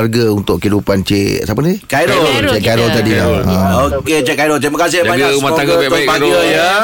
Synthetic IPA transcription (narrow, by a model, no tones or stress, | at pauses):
arɡaunt̪ʊkːəidupant͡ʃesapənikajɾɔlt͡ʃekaɾɔlt̪adilãoket͡ʃeʔkajɾɔlt̪ɾimakas̬ɪhbaɲamaaɡəbaəjə